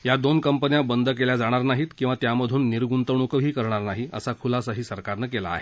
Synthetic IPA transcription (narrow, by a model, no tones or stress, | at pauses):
jad̪onkəmpənjãbənd̪ʱək̬eljad͡zaɽ̃aɾnaɦiːt̪kĩw̃ʋat̪jaməd̪ʱuːnːiɾɡunt̪əɳ̃ukəɦiːkəɾɳ̃aɾnaɦiə̰sakʰulasaɦiːsəɾkaɾnəkela̰ːɦe